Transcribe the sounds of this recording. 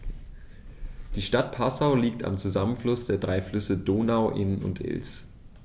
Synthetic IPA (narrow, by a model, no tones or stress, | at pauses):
d̥iːʃtat̚pʰasaʊliːk̚ta̰mt͡suzamənflʊsd̥eːɐdʁaɪflʏsədoːnaʊʔɪnənʊ̰ntʰʔɪ̰ls